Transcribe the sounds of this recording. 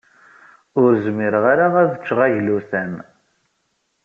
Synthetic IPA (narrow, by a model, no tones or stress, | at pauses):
ʊɾzmiɾəʁaɾaʁæðət͡ʃːʁæʝluθæn